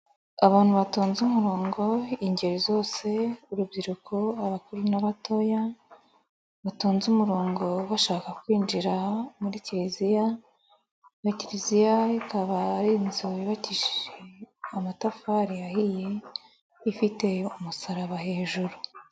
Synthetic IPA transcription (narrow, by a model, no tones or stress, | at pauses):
aβaːn̥huβatoːnzumuɾo̞ːŋɡo̞iɲɟe̞ɾizo̞ːse̞uɾubɟiɾukʰo̞aβakuɾunaβato̞ja | βatoːnzumuɾo̞ːŋɡo̞βaʃaːkakwiːnd͡ʒiɾamuɾiciɾizija | iciɾizijaikaβaɾinzoiβaciʃiʒeamatafaɾijahije̞ | ifite̞umusaɾaβaɦe̞ːʒuɾu